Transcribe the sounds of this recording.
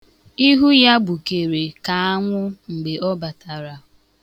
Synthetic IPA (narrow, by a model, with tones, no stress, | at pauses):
i˦ɦu˦ja˦bʊ˨ke˨ɾe˨ka˨a˦ŋʷʊ˦ŋ͡m̩˨ɡ͡be˨ɔ˦ba˨ta˨ɾa˨